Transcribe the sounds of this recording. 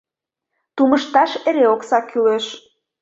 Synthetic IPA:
t̪umə̆ʃt̪ɑʃeɾeoksɑkʰyleʃ

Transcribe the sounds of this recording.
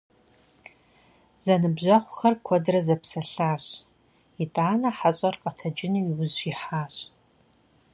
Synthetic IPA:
zɐnɨbʑɐχʷxɐrkʷʰɔdrɐzɐpsɐɬaːɕ | ɪtʼaːnɐħaɕʼɐrqɐtʰɐd͡ʒɪniɪwʊzɪħaːɕʼ

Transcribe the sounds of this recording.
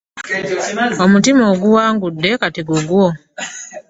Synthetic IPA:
o̞mutimoːɡuwaːŋɡudːe̞katiɡuɡwo̞

